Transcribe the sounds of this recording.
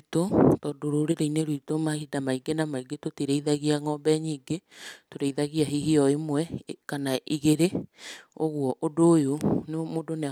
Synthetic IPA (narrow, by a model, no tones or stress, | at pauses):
totɔːdoɾoɾeɾeineɾwitomahidamaiɡenamaiɡetotiɾeiðaɣiaŋɔbɛɲiːɡetoɾeiðaɣiaɦiɦiɔemwɛkanaʔiɣeɾe | oɣwɔʔodojonemoːdone